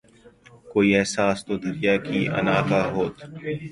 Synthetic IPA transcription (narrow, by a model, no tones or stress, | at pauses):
koːiːɛɦsaːst̪oːd̪ʊd͡ʒjaːkiːʔə̰naːkaːɦoːt̪